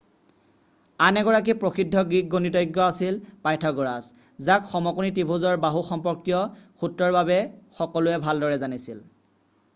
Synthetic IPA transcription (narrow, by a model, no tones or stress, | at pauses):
anɛɡɔɹak̬ipɹoxidʱːɔɡɹik̚ɡonitɔjɡːɔasilpajtʰɔɡɔɹas | zakxɔmɔkunitibʱuzɔɹbaɦuxɔmpɔɹkjɔxutɹɔɹbabɛxɔkɔlʊɛbʱaldɔɹɛzanisil